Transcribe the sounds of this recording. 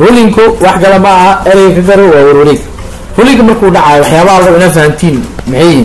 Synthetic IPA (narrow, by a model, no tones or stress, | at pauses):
ruːlɪŋkʰʊwɑħɡɐlɐmɐɐɛɾɛjɣɐkʰɐɡɐɾɔwaːwʊɾwʊɾiɡ | ruːlɪŋkʰɐmɐrkʰuːɖɑʕɑːjɔwɑħjaːβɐalɣɐɪnaːd̪fahnt̪ʰiːnmɪħɛjɪmɪ